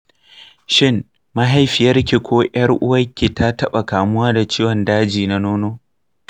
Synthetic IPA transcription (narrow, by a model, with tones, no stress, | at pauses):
ʃɪ˦n | mɐ˦ɦa˨˦jɸɪ˨jɐ˦rkʲi˨kʷoː˦ʔj̰ɐ˦rʔʊ̰˦wɐ˦kʲːi˨ta˦tɐ˦ɓa˨kaː˨mʊ˦waː˦da˨t͡ʃiː˦wɔ˨ndaː˦d͡ʒiː˨na˦noː˦noː˦